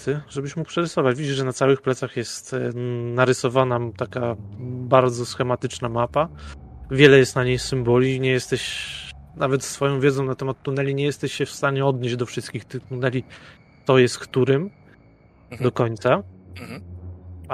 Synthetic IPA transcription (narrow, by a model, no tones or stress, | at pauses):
t̪ɘʐɛbɘɕmuk̚pʂɛɾɘsɔvat͡ɕvʲid͡ʑiʐɛnat̪sawɘxplɛt̪saxjɛst̪naɾɘsɔvanat̪akabaɾd̪zɔsxɛmat̪ɘt͡ʂnamapa | vʲjɛlɛjɛst̪naɲejsɘmbɔlʲiɲɛjɛst̪ɛɕ | navɛt̪sfɔjɔ̃w̃vʲjɛzɔ̃nat̪ɛmat̪ːunɛlʲiɲɛjɛst̪ɛɕɕɛfst̪aɲɛɔd̪ɲed͡ʑd̪ɔfʂɘst̪kʲixt̪ɘt̪unɛlʲi | t̪sɔjɛst̪̚kt̪uɾɘm | d̪ɔkɔɲt̪sa